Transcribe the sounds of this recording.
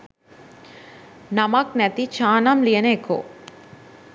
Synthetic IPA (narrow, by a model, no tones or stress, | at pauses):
nɐmaknɛt̪it͡ʃaːnamlijɐneːko̰ː